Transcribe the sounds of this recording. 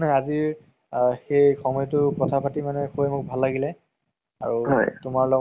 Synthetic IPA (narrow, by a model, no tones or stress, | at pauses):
nɛaziɹ | xejxɔmɔjtʊkɔtʰapʰatimanɛxʰoɛmʊk̚bʱalːaɡilɛ | a̰ɹuɦɔjtʊmaɹlɔ